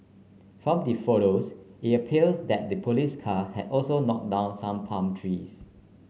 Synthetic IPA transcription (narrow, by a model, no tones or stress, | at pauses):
fɹɔ̃mdifɔɾositəpʰiəlsdɛt̚dəpʰoliskʰahɛ̰dɔlsonɔk̚dãʊ̃nsãmpʰãmtʰɹis